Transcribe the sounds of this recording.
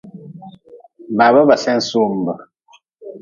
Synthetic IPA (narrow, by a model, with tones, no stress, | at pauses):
ma˨βə˦bə˨sɛ˦n̩˨˦su˦m˨bə˨